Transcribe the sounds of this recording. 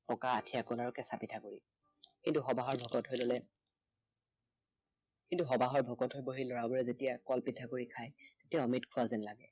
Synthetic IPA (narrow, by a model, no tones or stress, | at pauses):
pɔkaːtʰijakɔnaɹɔkɛsapitʰakoɹi | kintuxɔbaɦɔɹbʱɔɡɔtɦojlolɛ | kintuxɔbaɦɔɹbʱɔkɔtɦojboɦilɔɹabɔɹɛzetijakɔlpitʰakoɹikʰajtetijaɔmitkʰʊwazɛnlaɡɛ